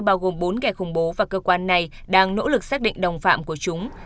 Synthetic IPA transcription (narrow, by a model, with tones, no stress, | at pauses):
ɓaː˧wɣo˨˩mɓo˨˦nkɛː˨˩xʊ˧˩ŋ͡mɓo˨˦vaː˨˩kəː˧kwaː˧nːa˨˩j | ɗaː˧ŋno̰˧˥lɨ˨˩k̚saː˦˥k̚ɗḭ˧˨ŋ̟ɗə˨˩wŋ͡mfa̰ː˧˨mku˧˩ət͡ɕʊ˨˦ŋ͡m